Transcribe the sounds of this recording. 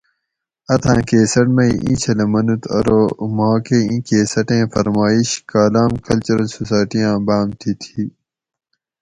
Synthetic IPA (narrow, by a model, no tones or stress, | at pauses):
ɐt̪ʰãːkeːsɐʈmɐiʔḭ̃ɕʰɐlɐmɐnut̪ʰɐ̰ɾoːmaːkeĩkeːsɐʈẽːfɐɾmaːiɕkaːlaːmkɐlt͡ɕuɾɐlsosaːjʈijãːbaːmt̪ʰit̪ʰi